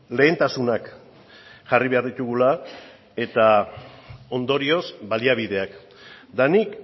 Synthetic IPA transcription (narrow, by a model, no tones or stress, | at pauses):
le̞ːnt̪asunak | ʝariβe̞aɾðit̪uɣula | e̞t̪a | o̞nd̪o̞ɾio̞sbaliaβ̞iðe̞ak | d̪anik